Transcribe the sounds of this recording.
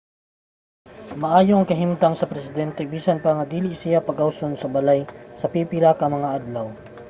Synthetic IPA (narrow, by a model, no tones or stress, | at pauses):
mɐʔaːjoʔɐŋkɐɦɪmt̪aŋsɐpɾɛsɪd̪ɛnt̪ɛbiːsɐnpɐŋɐd̪iːlɪʔsɪjapɐɡʔawsonsɐbɐlajsɐpipɪɾakɐmɐŋaʔad̪law